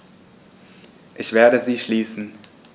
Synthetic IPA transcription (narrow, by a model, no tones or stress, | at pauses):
ʔɪçv̥eːɐɾəziːʃliːsn̩